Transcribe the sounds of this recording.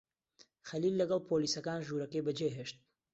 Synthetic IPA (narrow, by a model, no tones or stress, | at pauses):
xɐliːlːɐɡɐlˠpʰoliːsɐkaːnʒuɾɐkejbɐd͡ʒejɦeʃt̪̚